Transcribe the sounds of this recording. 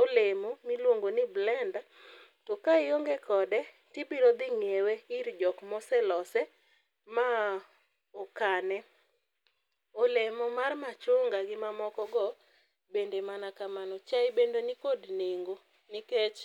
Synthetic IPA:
olemomilwoŋɡonɪblɛnda | tɔkaɪoŋɡɛkɔdɛ | tɪbiɾod̪ɪŋeweɪɾd͡ʒɔkmɔsɛlɔsɛ | ma | ɔkanɛ | olemɔmarmat͡ʃoŋɡaɡɪmamɔkɔɡɔ | bendemanakamanɔt͡ʃaɪbendonɪkodneŋɡo | nɪket͡ʃ

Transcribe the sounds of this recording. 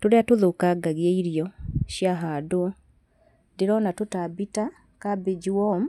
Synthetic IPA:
tuɾeatuðukaɡaɣieiɾijoʃjaɦadwo | diɾɔnatutabita | kabid͡ʒiwom

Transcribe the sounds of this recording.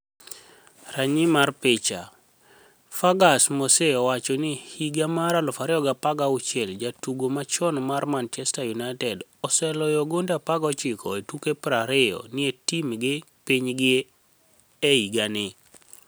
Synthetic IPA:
raɲɪmarpɪt͡ʃa̰ | faɡasmoseɔwat͡ʃɔnɪhiɡamaɾalɔfaɾɪɔɡapaɡaʊt͡ʃjɛld͡ʒatuɡomat͡ʃɔnmarmant͡ʃɛstajunaɪtɛdɔsɛlɔjɔɡondapaɡɔt͡ʃɪkɔetukepɾaɾɪjɔ̰nɪetimɡɪpiɲɡɪ | ɛiɡanɪ

